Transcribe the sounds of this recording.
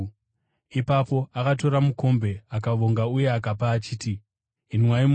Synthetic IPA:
ipapo̞akat̬o̞ɾamuko̞mbe̞akaʋo̞ŋɡauje̞akapaːt͡ʃiːti | inmwaim

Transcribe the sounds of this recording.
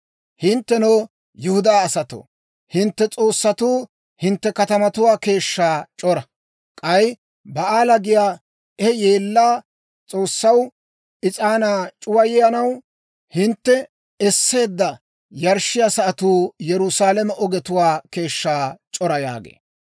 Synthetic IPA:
hɪnt̪ːɛnoː | jʊhʊd̪aːɐsɐt̪o̰ː | hɪnt̪ːɛt͡sʼo̞ːsːɐt̪uː | hɪnt̪ːɛkɐt̪ɐmɐt̪ʊwaːke̞ːʃːaːt͡ʃʼɔɾɐ | kʼɐj | bɐaːlɐɡɪjaː | ɛje̞ːlːaː | t͡sʼo̞ːsːɐw | ɪt͡sʼaːnaːt͡ʃʼʊwɐjɪjɐnɐw | hɪnt̪ːɛ | ɛsːe̞ːd̪ːɐ | jɐɾʃːɪjasɐʔɐt̪uːjɛɾʊsaːlɛmɛʔɔɡɛt̪ʊwaːke̞ːʃːaːt͡ʃʼɔɾɐja̰ːɡḛː

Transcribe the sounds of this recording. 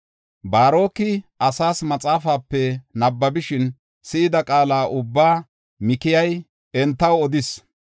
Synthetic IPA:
baːɾo̞ːkːɪʔɐsaːsmɐt͡sʼaːfaːpːɛnɐbːɐbɪʃɪn | sɪʔɪd̪ɐkʼaːlaːʔʊbːaː | mɪkɪjɐj | ɛnt̪ːɐwɔd̪ɪs

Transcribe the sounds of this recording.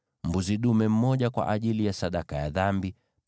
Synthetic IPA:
mbuziɗumɛm̩mɔʄakwa̰ʔaʄilijasaɗakajaðambi

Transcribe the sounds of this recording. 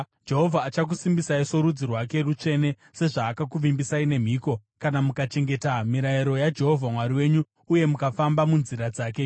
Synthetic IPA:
d͡ʒe̞ɦo̞vʱaːt͡ʃak̬usimbisaiso̞ɾud͡zirwake̞rut͡ʂe̞ne̞ | se̞ʐaːkakuʋimbisaine̞m̤iːko̞kanamukat͡ʃe̞ŋɡe̞tamiɾaiɾo̞jad͡ʒe̞ɦo̞vʱamwaɾiwe̞ɲuː | je̞mukafambamunziɾad͡zaːke̞

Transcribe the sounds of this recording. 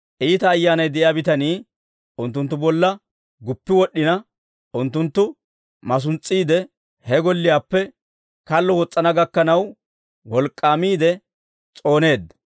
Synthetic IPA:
ʔiːt̪ɐːjːaːnɐjd̪ɛʔɪjaːbɪt̪ɐniː | ʔʊnt̪ːʊnt̪ːʊbɔlːɐ | ɡʊpːɪwɔɗːɪnɐ | ʊnt̪ːʊnt̪ːʊ | mɐs̬ʊnt͡sʼːiːd̪ɛ | hɛɡɔlːɪjaːpːɛ | kɐlːɔwɔt͡sʼːɐnɐɡɐkːɐnɐw | wɔlkʼːaːmiːd̪ɛ | t͡sʼo̞ːne̞ːd̪ɐ

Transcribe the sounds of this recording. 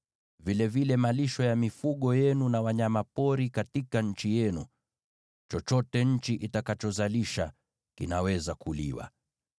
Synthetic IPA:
vilɛvilɛmaliʃɔjamifuɠɔjɛnunawaɲamapɔɾikatikaɲ̩t͡ʃijɛnu | t͡ʃɔt͡ʃɔtɛɲ̩t͡ʃiʔitakat͡ʃɔzaliʃa | kḭnawɛzakulḭwa̰

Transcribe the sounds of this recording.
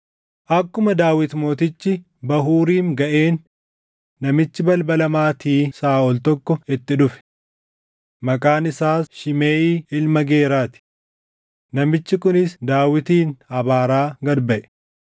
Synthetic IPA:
ʔɐkːʊmɐd̪aːwɪt̪mo̞ːt̪ɪt͡ʃːɪ | bɐɦuːɾiːŋɡɐʔe̞ːnː | ɐmɪt͡ʃːɪbɐlbɐlɐmaːt̪iːsaːɔlt̪ɔkːɔɪt̪ːɪᶑ̪ʊfɛ̥ | mɐkʼaːnɪsaːsʃɪmeːʔiːɪlmɐɡe̞ːɾaːt̪ɪ̥ | nɐmɪt͡ʃːɪkʊnɪsd̪aːwɪt̪iːnhɐbaːɾaːɡɐɾbɐʔɛ̥

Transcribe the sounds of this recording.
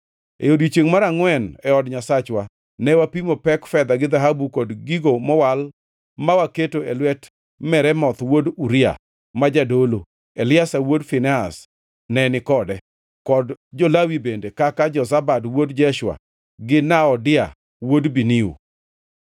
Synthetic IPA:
ḛodit͡ʃeŋmaɾaŋwɛnɛɔdɲasat͡ʃwa | nɛwapimopɛkfɛd̪aɡɪd̪aɦabukɔdɡiɡomɔwal | mawaketoelwɛt | mɛɾɛmɔt̪woduɾɪa̰ | mad͡ʒadolo | elɪasawodfɪnɛas | nɛnɪkɔdɛ | kɔdd͡ʒɔlawibendekakad͡ʒɔsabadwodd͡ʒɛʃwa̰ | ɡɪnaɔdɪa | wodbiniṵ

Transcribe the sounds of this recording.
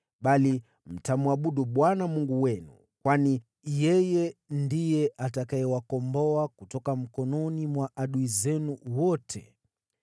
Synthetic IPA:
ɓali | m̩tamuaɓuɗuɓwanamuŋɡuwɛnṵ | kwani | jɛjɛndijɛʔatakaɛwakɔmbɔakutɔkam̩kɔnɔnimwaʔaɗuizɛnuwɔtʰɛ̰

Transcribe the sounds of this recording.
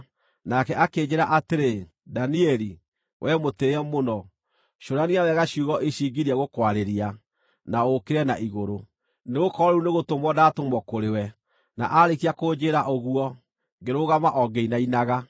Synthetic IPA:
nakɛʔaked͡ʑeɾaʔateɾe | daniɛɾi | wʔɛmoteɛmonɔ | ʃoɾaniawɛɣaɕuɣɔʔeɕiɡiɾiaɣokwaɾeɾia | naokeɾɛna̰ʔiɣoɾo | neɣokɔɾɔuneɣotomwɔdaːtomwɔkoɾewɛ | na̰ʔaɾekiakoːd͡ʑeɾaʔoɣuɔ | ŋɡeɾoɣamaʔɔɡeinainaɣa

